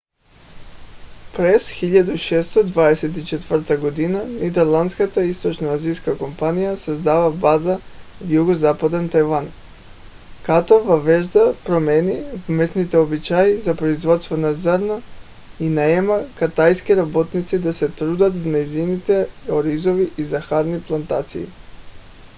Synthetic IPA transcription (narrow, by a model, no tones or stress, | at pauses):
pɾɛsxiʎad̪uʃɛst̪od̪vaɛsɛt̪it͡ʃɛt̪vəɾt̪aɡod̪inanɛd̪ɛɾlˠand̪t̪skat̪aist̪ot͡ʃnoazijskakompanijasazd̪avabazavjuɡozapad̪ɛnt̪ajvan | kat̪ovavɛʒd̪afpɾomɛnivmɛsnit̪ɛobit͡ʃaizapɾoizvɔt̪st̪vɔnazəɾna | inaɛmakat̪ajskiɾabɔt̪nit̪sid̪asɛt̪ɾud̪at̪vnajzinit̪ɛoɾizoviʔizaxaɾniplˠant̪a̰t̪sḭḭ